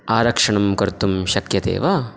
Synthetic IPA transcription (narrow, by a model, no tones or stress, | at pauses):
aːɾɐkʂɐɳɐmkɐɾt̪umʃɐkjɐt̪ḛːʋɐ